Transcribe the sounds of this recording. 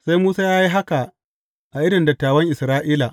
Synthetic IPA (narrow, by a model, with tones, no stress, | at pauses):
sa˦jmuː˦saː˦jaː˦ji˦ɦa˦ka˨ | ʔa˨ʔɪ˦ɽɪ˨ndɐ˨tːaː˨wɐ˦ŋʔɪ˨sɾaː˦ʔiː˦la˨ʔ